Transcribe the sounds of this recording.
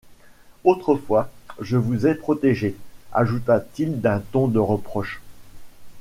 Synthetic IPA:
ot̪χəfwaʒəvuzɛpχɔt̪eʒea̰ʒut̪at̪ild̪ɛ̃t̪ɔ̃d̪əʁəpχɔʃ

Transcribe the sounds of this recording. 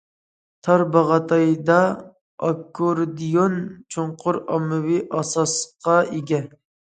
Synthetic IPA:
t̪ʰɑɾbɑʁɑt̪ʰɑjd̪ɑ | ɑkʰːoɾd̪ijont͡ʃʰoɴqʰʊɾɑmɨwiʔɑsɑsqʰɑeɡʲɛ

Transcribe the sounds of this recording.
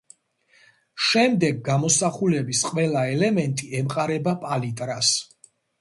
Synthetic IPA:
ʃɛmd̪ɛɡːamɔsaχulɛbisqʼvɛlˠaɛlɛmɛnt̪ʼiɛmqʼaɾɛbapʼalit̪ʼɾas

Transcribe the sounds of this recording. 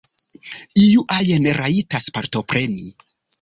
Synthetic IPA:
ijuʔajeneɾaitaspaɾto̞pɾe̞ni

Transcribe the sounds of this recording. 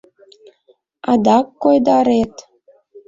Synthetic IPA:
ɑd̪ɑkːojd̪ɑɾet̪

